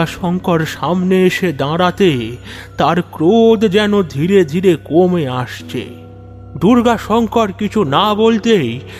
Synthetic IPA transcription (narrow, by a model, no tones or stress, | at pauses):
aʃɔŋkɔɾʃamneeʃed̪ãɽat̪e | t̪aɾkɾod̪d͡ʑɛnod̪ʱiɾed̪ʱiɾekomeaʃt͡ɕʰḛ | d̪uɾɡaʃɔŋkɔɾkit͡ɕʰunabolt̪ej